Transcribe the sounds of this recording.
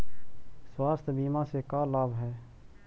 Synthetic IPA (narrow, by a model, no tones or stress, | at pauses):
swaːst̪biːmãːsekaːlaːbɦɛː